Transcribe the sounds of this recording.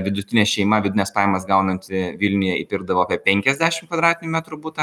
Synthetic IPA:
ʋʲɪd̪ʊt̪ʲɪnʲɛːʃʲɛɪmɐʋʲɪd̪ʲnʲɛspɑːjɛmɐs̬ɡɐʊnɐnʲt̪ʲɪʋʲɪlʲnʲʊjɛɪpʲɪɾɡ̚d̪ɐʋoːpʲɛpʲɛŋʲkʲɛzʲd̪ʲæːʃʲɪmtkʋɐd̪ɾɑːt̪ʲɪnʲʊmʲæːt̪ɾʊbuːt̪ɐ

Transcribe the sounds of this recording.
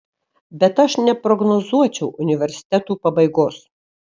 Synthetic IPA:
bʲɛt̪ɐʃnʲɛpɾɔɡnɔzuɔt͡ʃʲɛʊʔʊnʲɪʋʲɛɾʲsʲɪ̥t̪ʲɛt̪uːpɐbɐɪɡoːs

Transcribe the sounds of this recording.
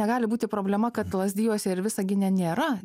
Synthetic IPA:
ɛɡɑːlʲɪbuːt̪ʲɪpɾoːbʲlʲɛmɐkɐt̪lˠɐzʲd̪ʲiːjuːsʲɛɪɾʋʲɪsɐɡʲɪnʲɛnʲeːɾɐ

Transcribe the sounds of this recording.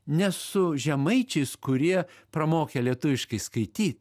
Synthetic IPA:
nʲɛsʊʒʲɛmɐɪt͡ʃʲɛɪskʊɾʲiɛpɾɐmoːkʲɛlʲiɛt̪ʊʋʲɪʃkɐɪskɐɪt̪ʲiːt̪

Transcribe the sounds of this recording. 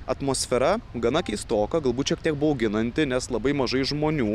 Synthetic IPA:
ɐt̪moːsʲfʲɛɾɐɡɐnɐkʲɛɪst̪oːkɐɡɐlˠbuːt̪t͡ʃʲiɛk̚t̪ʲiɛk̚bʊɐoʊɡʲɪnɐnʲt̪ʲɪnʲɛslˠɐbɐɪmɐʒɐɪʒmoːnʲuː

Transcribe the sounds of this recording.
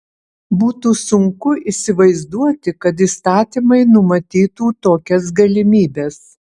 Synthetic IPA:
buːt̪uːsʊŋkʊʔisʲɪʋɐɪzd̪uɔt̪ʲɪkɐt̪̬ist̪ɑːt̪ʲimɐɪnʊmɐt̪ʲiːt̪uːt̪oːkʲɛs̬ɡɐlʲɪmʲiːbʲeːs

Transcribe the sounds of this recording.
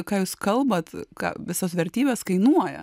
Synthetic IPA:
kɑːjuːskɐlˠbɐt̪kɑ̰ːʋʲɪsosʋʲɛrʲt̪ʲiːbʲɛskɐɪnuɔjɛ̰

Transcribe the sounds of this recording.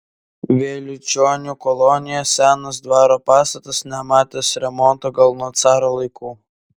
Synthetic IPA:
ʋʲeːlʲʊt͡ʃʲoːnʲukɔlˠɔnʲɪjɛsʲæːnɐsd̪ʋɑːɾoːpɑːst̪ɐt̪ɐsnʲɛmɑːt̪ʲeːsɾʲɛmɔnˑt̪oːɡɐlˠnoɔt̪sɑːɾoːlˠɐɪkuː

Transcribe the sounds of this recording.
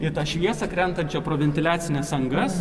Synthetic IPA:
ɪt̪ɐʃʲʋʲiɛsɐkɾʲɛnk̪ɐt͡ʃʲɛpɾoːʋʲɛnʲt̪ʲɪlʲæːt̪sʲɪnʲɛsɐŋɡɐs

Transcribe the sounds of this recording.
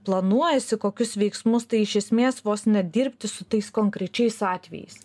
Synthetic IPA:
plˠɐnuɔjɛsʲɪkoːkʲʊsʋʲɛɪksmʊst̪ɐɪɪʃʲɛsʲmʲeːsʋoːsnʲɛd̪ʲiɾʲpʲt̪ʲɪsʊt̪ɐɪskoːŋkɾʲɛt͡ʃʲɛɪsɑːt̪ʲʋʲɛ̰jɛ̰ɪs

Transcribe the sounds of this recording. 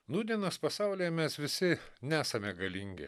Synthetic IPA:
nuːd̪ʲiɛnɐspɐsɑʊlʲeːjɛmʲɛsʋʲɪsʲɪnʲæːsɐmʲɛɡɐlʲiŋʲɡʲɪ̰

